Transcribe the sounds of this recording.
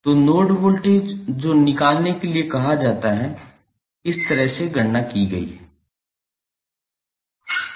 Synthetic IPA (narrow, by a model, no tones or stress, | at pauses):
t̪oːnoːɖbʊlʈed͡ʒoːnɪkaːlnekeliekɐɦad͡ʒaːt̪aɦɛ | ɪst̪ɐɾəɦseɡɐɽnakiɡɐḭːɦɛ